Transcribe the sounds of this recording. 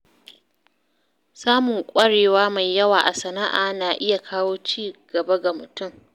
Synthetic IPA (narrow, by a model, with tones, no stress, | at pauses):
saː˦mʊ˨ŋkʷʼɐ˦ɽeː˨waː˦ma˨jːɐ˦waː˨ʔa˨sɐ˨na˦ʔa̰ː˨naː˨ʔɪ˦ja˨kʰaː˦woː˦t͡ʃiː˦˨ɡ̥ɐ˨ba˦ɡa˨mʊ˨tʊ˦m